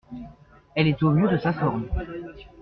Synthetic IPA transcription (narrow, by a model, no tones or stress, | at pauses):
ɛlɛt̪omjød̪əsafɔʁm